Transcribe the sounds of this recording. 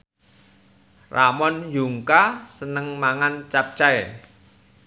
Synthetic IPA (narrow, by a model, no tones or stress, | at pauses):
ramɔnjuŋkasənəŋmaŋant͡ʃap̚t͡ʃaɛ